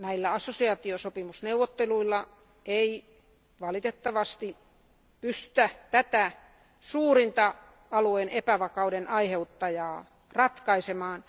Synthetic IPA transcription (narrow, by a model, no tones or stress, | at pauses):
næilːæɑsːosiɑːt̪iosopimusneuʋːˑot̪ːeluilːɑ | ʔei | ʋɑlit̪et̪ːɑʋɑst̪i | pyst̪y̥t̪æt̪æt̪æ | suːrint̪ɑ | ɑluenepæʋɑkɑudenʔɑiheut̪ːɑjɑː | rɑt̪kɑisemɑːn